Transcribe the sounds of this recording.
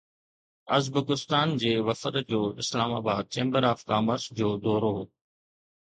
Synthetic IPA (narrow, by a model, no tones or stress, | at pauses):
ɐzbəkɪst̪aːnd͡ʑeːʋɐfət̪d͡ʑoːɪslaːmaːbaːd̪̚t͡ɕẽːmbəɾaːfkaːməɾsd͡ʑoːd̪ɔːɾoɦoː